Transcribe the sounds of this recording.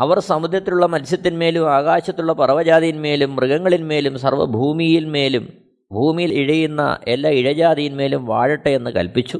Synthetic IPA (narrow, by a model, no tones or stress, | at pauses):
ɐʋɐrsɐmud̪jɐt̪ːiluɭːɐmɐnsjɐt̪ːinme̞ːlumaːɣaːɕɐt̪ːuɭːɐpɐrɐʋɐd͡ʑaːðijinme̞ːlumːrɨɣɐŋːɐɭinme̞ːlumsɐrʋɐ̰bʱuːmijilme̞ːlum | bʱuːmijiliɻɐjunːɐ̰ʔe̞lːaːiɻɐd͡ʑaːd̪ijinme̞ːlumʋaːɻiʈːɐe̞nːɨkɐ̰lpit͡ɕːu